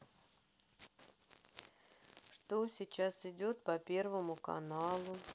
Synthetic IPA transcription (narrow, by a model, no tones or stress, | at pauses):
ʂt̪osʲɪt͡ɕasɪdʲo̞t̪pɐpʲe̞rvəmʊkɐ̰nalˠʊ